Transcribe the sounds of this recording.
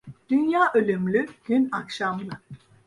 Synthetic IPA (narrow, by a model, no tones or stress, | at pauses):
d̪̥ynjaːʔølʲymlʲyɡ̥ynakʃamlˠɯ